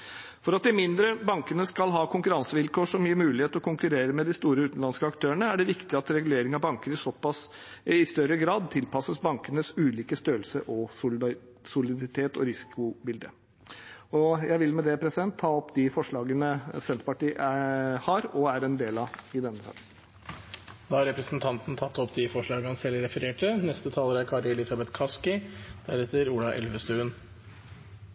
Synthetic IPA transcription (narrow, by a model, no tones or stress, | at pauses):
fɔɾɑt̪̚d̪ɪmɪnd̪ɾəbɑŋkənəskɑlɦɑːkʰʊŋkʉɾɑnsəʋɪlkoːʂɔmjjiːmʉːlɪheːt̪ɔkʰʊŋkʉɾeːɾəmɛd̪ɪst̪uːɾəʉːt̪n̩lɑnskəɑkt̪ʰøːəɳəæɖɛʋɪkt̪ɪɑt̪ɾɛɡʉleːɾɪŋɑʋbɑŋkəɾɪsɔpːɑs | ɪst̪œɾəɡɾɑːd̪̚t̪ʰɪlpɑsəsbɑŋkənəsʉːliːkəst̪øːəlsəʔɔ | sʊlɪd̪ɪt̪ʰeːt̪ʰɔ̰ɾɪsɪ̥kʊbɪld̪ə̰ | ɔjæɪʋɪlmɛd̪ɛpʰɾɛsɪd̪ɛnt̪ʰːɑːɔpːd̪ɪfɔʂɭɑːɡənəsɛnt̪pɑʈiːʔhɑɾɔæɾɛnd̪eːlɑɪd̪ɛnːəsɑ̰ːkn | d̪ɑːhɑɾɛpɾəsnt̪ʰɑnt̪n̩t̪ʰɑt̪ːɔpd̪ɪfɔʂɭɑːɡəhɑnsɛlːɾɛfəɾeːʈənɛst̪ət̪ʰɑːləɾæɾkʰɑɾəɛlɪsɑbɛt̪kʰɑskɪd̪̥æɾɛt̪ːəɾuːlɑʔɛ̰lʋəst̪ʉːən